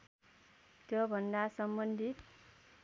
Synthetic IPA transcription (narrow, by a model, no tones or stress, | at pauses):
t̪jʌbʱʌnd̪asʌmbʌnd̪ʱit̪